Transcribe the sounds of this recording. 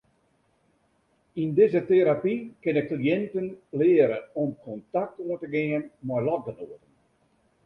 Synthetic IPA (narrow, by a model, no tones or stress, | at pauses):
indɪzəteɾapikɪnɪk̚klijɛntənlɪːəɾəɔmkʰɔntak̚tənɔtəɡɪənmɔjlɔt̚bənoətən